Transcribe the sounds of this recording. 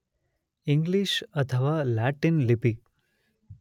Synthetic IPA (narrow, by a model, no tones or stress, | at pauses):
ĩŋɡliʃət̪ʰəʋalaʈinlipi